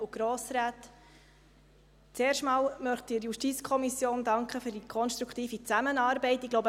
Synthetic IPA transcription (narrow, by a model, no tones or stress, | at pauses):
uɡ̥ɾoːsɾaːt | t͡seːrʃtmɑːlmœχtiːɾjuʃtit͡skʰɔmisjoːndɑŋkχəfyːɾdikʰɔnʃt̪ɾukʰtiːfit͡sæmənɑːɾbɛɪtɪɡlowbə